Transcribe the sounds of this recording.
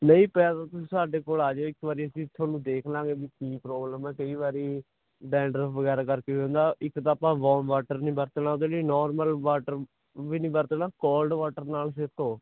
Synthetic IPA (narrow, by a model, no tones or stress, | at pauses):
nəĩːpɛaːt̪aːt̪ʊsĩːsaːɖeːkoːlaːd͡ʒoːɪkʋaːɾiːəsĩːt̪ʰoːnũːd̪eːkʰlaːɡeːbiːkiːpɾɔːbləmɛːkəiːʋaːɾiː | ɖɛ̃ːɳɖɾəpʋəɡɛːɾaːkəɾkeːõːnd̪aːɪkt̪aːpãːʋɔːmʋaːʈəɾnĩːbəɾt̪ːnaːod̪eːliːnɔːɾməlʋaːʈəɾ | ʋiːnĩːbəɾt̪ːnaːkoːlɖʋaːʈəɾnaːls̬eːt̪oː